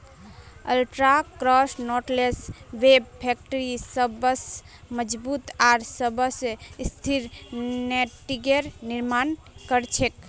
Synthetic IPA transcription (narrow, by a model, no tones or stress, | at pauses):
ə̰lʈɾakɾɔsnɔʈlesweb̚pʰɛk̚ʈəɾisəbəs | məd͡ʒbut̪aɾsəbəsst̪ʰiɾneʈiɡeɾniɾmankəɾt͡ʃʰek